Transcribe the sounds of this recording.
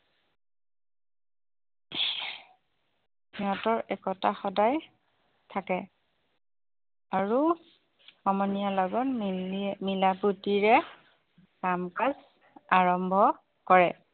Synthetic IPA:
niɔtɔɹɛkɔtaxɔdaj | tʰakɛ | aɹu | ɔmɔnijalɔɡɔn | milaputiɹɛ | kamkaz | aɹɔmbʱɔ | kɔɹɛ

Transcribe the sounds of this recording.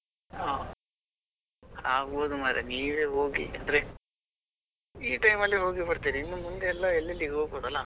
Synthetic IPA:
aː | aːɡoːd̪umaːɾeniːʋeːɦoːɡḭɐ̰nd̪ɐɾe | iːʈɐjmɐlːiɦo̞ːɡibɐɽt̪iːɾiinːumund̪eɛlːɐɛlːɐlːiɡɦoɡboːd̪ɐlːɐ

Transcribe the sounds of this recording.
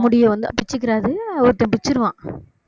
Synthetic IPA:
mʊɽɪjɐ̃ʋɐnd̪ɯpɪt͡ʃːɯk̬ːɪɾaːðɯɔɾɯt̪ːɐpɪt͡ʃːɪɾɯʋãː

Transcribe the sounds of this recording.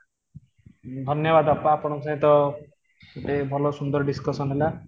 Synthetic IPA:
d̪ʱʌnjʌbad̪ɔpːapɔɽ̃ʌmsãj̃t̪ʌ | eʈebʱʌlosund̪ʌɾɖiskʌsʌnɦela

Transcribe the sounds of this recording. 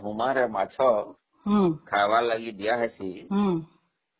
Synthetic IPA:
ɦʊmãːɾɛːmaːt͡ʃʰoː | ɦkʰaːʋaːləɠiːd̪ɪjaːɦɛːsiːɦ

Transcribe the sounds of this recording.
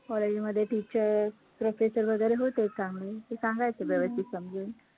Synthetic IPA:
kɔled͡ʑməd̪ʱːjeʈit͡ɕəɾ | pɾofesəɾʋəɡəjɾeɦot̪esãŋɡet̪esãŋɡajt͡seʋjəʋəst̪ʰit̪səmd͡zʱuːn

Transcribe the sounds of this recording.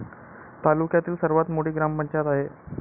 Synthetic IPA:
t̪alukjat̪iːlsəɾʋat̪moʈiːɡɾampəɲt͡ɕat̪aɦe

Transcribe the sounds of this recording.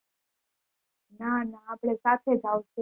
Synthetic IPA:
nanaːpɽ̃esat̪ʰed͡ʒʱawse

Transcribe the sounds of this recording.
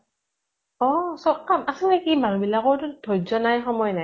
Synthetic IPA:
ɔsɔkamasɔŋɛkimaɹubilaɡɔɹtʊdʰʱɔjzɔnajxɔmɔjnaj

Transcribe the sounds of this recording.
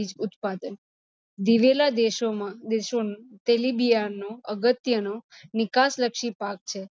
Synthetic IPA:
id͡ʒʊt̪pad̪ən | d̪iʋelad̪eʃomãd̪eʃont̪elibijanoəɡət̪jəno | nɪkasləkʃipak̚t͡ʃʰe

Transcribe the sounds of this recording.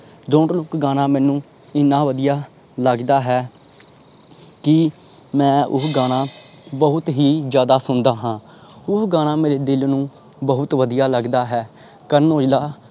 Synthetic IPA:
ɖõːɳɖlʊkɡaːnaːmɛ̃ːnũː | ɪnːãːʋəd̪ijaː | ləɡd̪aːɦɛː | kɪ | mɛ̃ːʔʊ̰ɡaːɽaː | bəɦʊt̪ɦiːd͡ʒjaːd̪aːsʊnd̪aːɦãː | ʊɡãːɽ̃ãːmeːɾeːd̪ɪlnũː | bəɦʊt̪ʋəd̪ijaːləɡd̪aːɦɛː | kəɾnoːd͡ʒlaː

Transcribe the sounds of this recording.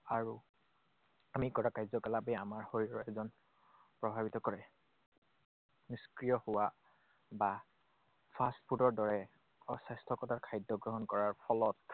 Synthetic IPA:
aɹu | amikɔɹakajzɔkɛlabɛamaɹhoɹiɹɔɛzɔn | pɹɔbʱabitɔkɔɹɛ | niskɹijɔhʊwa | ba | pʰastpʰudɔɹdɔɹɛ | ɔsastʰɔkɔtakʰajdːɔɡɹɔɦɔnkɔɹaɹpʰɔlɔt

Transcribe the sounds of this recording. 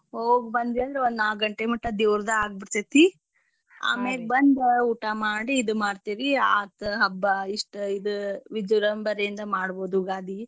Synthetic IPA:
ɦoːɡbɐnd̪iɐnd̪ɾeond̪aːɡɐɳʈemuʈːɐd̪iʋɾd̪ɐaːɡ̚biʈt̪ɐt̪i | a̰ːmeːlbɐnd̪uːʈamaːɽiːd̪umaːɖt̪iːɾia̰ːt̪ɦɐbːɐiʂʈid̪ɨʋid͡ʒuɾɐmbɐɾejind̪ɐmaːɽboːd̪uɡaːd̪i

